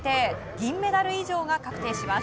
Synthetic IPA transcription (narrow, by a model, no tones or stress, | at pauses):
t̪e̞ | ɡʲĩmːe̞d̪aɾɯ̟iʑo̞ːɡakakɯ̟̥t̪e̞ːɕima